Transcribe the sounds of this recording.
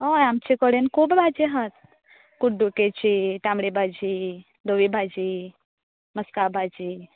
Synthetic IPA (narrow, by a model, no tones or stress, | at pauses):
ojamt͡ɕekəɽenkʰuːbbʱad͡ʑeɦat̪ | kuɖuket͡ɕiʈamɽibʱad͡ʑi | d̪oʋibʱad͡ʑi | məskabʱad͡ʑi